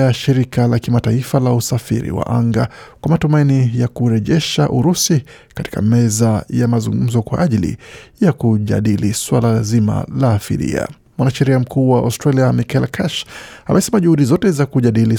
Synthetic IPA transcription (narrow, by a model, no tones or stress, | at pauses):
aʃiɾikalakimataifalausafḭɾḭwa̰ʔaŋɡakwamatumainijakuɾɛʄɛʃaʔuɾusi | kati̥ka̰mɛzajamazuŋɡum̩zɔkwa̰ʔaʄilḭjakuʄa̰ɗiliswalazima̰lafḭɾḭa̰ | mwanaʃɛɾiam̩kuːwaa̰stɾaliamikɛlkʰaʃamɛsɛmaʄuhuɗizɔtɛzakuʄaɗili